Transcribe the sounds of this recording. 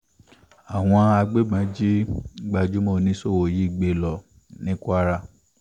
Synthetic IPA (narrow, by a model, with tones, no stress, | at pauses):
a˨w̃ɔ̃˧a˧ɡ͡be˦ɡ͡bã˨˦d͡ʒi˦ɡ͡ba˧d͡ʒu˨˦mo˦˨nĩ˦so˦wo˨ji˦i˨ɡ͡be˨lɔ˨ | nĩ˦ku˦a˦ɾa˧˨